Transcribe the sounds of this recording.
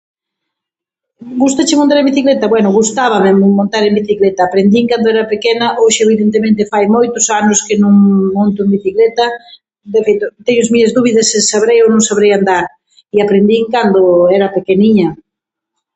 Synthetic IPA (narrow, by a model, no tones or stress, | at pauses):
ɡust̪ɐt͡ʃɪmont̪aɾẽmbiθiklet̪ɐβwɛnʊɣust̪aβɐmemõnt̪aɾembiθiklet̪ɐːpɾend̪iŋkand̪oɛɾɐpekenɐʔoʃɪeβ̞iðent̪emẽnt̪ɪfajmojt̪ʊsanʊskɪnũŋmõnt̪ʊembiθiklet̪ɐ | d̪efejt̪ʊt̪eɲʊzmiɐzðuβiðɐsesaβɾejownõŋsaβɾejand̪aɾ | iapɾend̪iŋkand̪ʊɛɾɐpekeniɲɐ